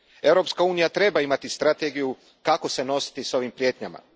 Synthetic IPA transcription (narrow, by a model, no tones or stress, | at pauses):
e̞wɾo̞pskauːnijat̪ɾe̞baimat̪ist̪ɾat̪e̞ɡiju | kako̞se̞no̞si̥t̪iso̞ʋimpɾje̞ːt̪ɲama̰